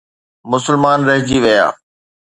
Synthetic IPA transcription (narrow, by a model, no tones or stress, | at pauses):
mʊsəlmaːnɾɐɦɪ̃d͡ʑiʋɐja̰ː